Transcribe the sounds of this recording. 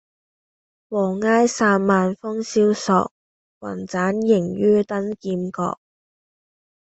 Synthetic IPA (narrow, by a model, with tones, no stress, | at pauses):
wɔː˨˩ŋaː˥jsaː˧nmaː˨nfɔ˥ŋsiː˥wsɔ̰ː˧k̚ | wɐ̰˨˩nt͡saː˨˥njɪ˨˩ŋjyː˥t̪ɐ˥nkiː˧mkɔ̰ː˧k̚